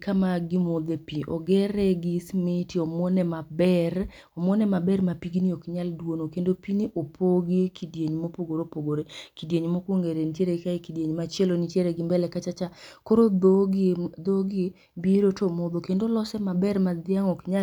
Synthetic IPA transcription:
kamaɡɪmod̪epiʔɔ̰ɡɛɾɛɡɪsmɪtiɔmɔnɛmabɛr | ɔmwɔnɛmabɛrmapiɡiniokɲaldwonokendopiniʔopʰoɡikʰidjeɲmopoɡoɾopoɡoɾekidjeɲmokwoŋɡeɾenitjeɾeɡɪkaikidjeɲmat͡ʃelonitjeɾeɡɪmbɛlɛkat͡ʃat͡ʃakoɾooɡd̪oɡɪ | biɾotomod̪okendolɔsɛmabɛrmad̪ɪaŋɔkɲa

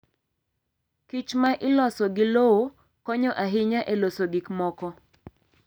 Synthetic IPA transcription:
kit͡ʃmaʔɪlɔsɔɡɪlowo | kɔɲɔʔaɦɪɲaʔelosoɡɪkmɔkɔ

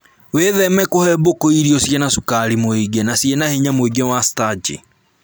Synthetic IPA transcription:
weðɛmɛkohɛbokoiɾiosjɛnasukaɾimoiɡenasjenaheɲamoeɡewastad͡ʒḭ

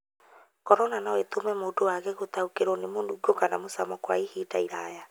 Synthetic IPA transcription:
kɔɾɔnanawet̪omɛmoːdowaɣɛɣot̪aukeɾɔnemonduɡokanamosamɔkwa̰ihiːtaiɾa̰ja

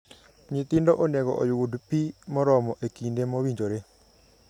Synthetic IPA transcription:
ɲɪt̪ɪndɔʔonɛɡɔ̰ʔɔjwodpimɔɾɔmɔʔekindemɔwiɲd͡ʒoɾe

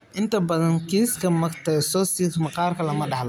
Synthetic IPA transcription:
ʔɪnt̪ʰɐbɐðɐnkʰiːskʰɐmɐɡt̪ʰɛjsɔsiːkmɐqɑːrkʰɐlɐmɐɖɑħlɐ

